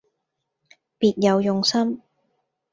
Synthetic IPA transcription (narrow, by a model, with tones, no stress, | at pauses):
piː˨t̚jɐ˨˧wjʊ˨ŋsɐ˥m